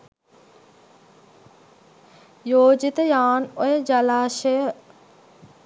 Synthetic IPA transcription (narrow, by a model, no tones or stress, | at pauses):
joːd͡ʒit̪əjaːnojəd͡ʒɐlaːʃəjə